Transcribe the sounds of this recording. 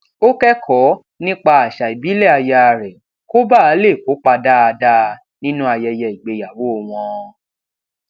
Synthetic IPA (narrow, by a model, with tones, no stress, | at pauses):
o˦kɛ˦kʰɔ˨˦ | nĩ˦k͡pa˧a˨ʃa˨i˨bi˨˦lɛ˦˨a˧ja˧a˧ɾɛ˨ | ko˦ba˦˨a˨˦le˦˨ko˨˦k͡pa˧da˦a˧da˦˧ | nĩ˦nũ˦a˧jɛ˧jɛ˧˨i˨ɡ͡be˨˧˦ja˨wo˨˦o˦˨w̃ɔ̃˧